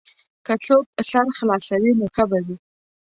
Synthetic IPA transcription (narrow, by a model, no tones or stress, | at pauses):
kat͡sok̚saɾxlɑsawinoxabawi